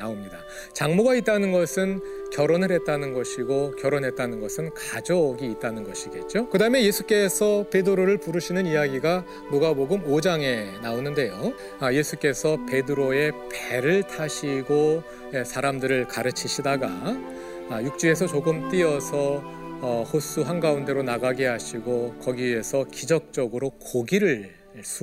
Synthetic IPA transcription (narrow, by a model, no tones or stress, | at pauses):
naomɲida | t͡ɕaŋmuɡait̚t͈anɯnɡʌsʰɯn | kjʌɾonɯɾɦe̞t̚t͈anɯnɡʌɕʰiɡokjʌɾonɦe̞t̚t͈anɯnɡʌsʰɯnkad͡ʑoɡiːt̚t͈anɯnɡʌɕʰiɡe̞t̚t͡ɕ͈okɯdaɯme̞je̞sʰuk͈e̞sʰʌpe̞dɯɾoɾɯɭpuɾɯɕʰinɯnijaɡiɡa | moɡaboɡɯmod͡ʑaŋe̞naonɯnde̞jo | ʌje̞sʰuk͈e̞sʰʌpe̞dɯɾoe̞peɾɯɭtʰaɕʰiɡo | sʰaɾamdɯɾɯɭkaɾɯt͡ɕʰiɕʰidaɡa | juk̚t͡ɕ͈ue̞sʰʌt͡ɕoɡɯmt͈iʌsʰʌ | hosʰuɦanɡaunde̞ɾonaɡaɡeɦaɕʰiɡokʌɡiesʰʌkid͡ʑʌk̚t͡ɕ͈ʌɡɯɾokoɡiɾɯɭ | sʰ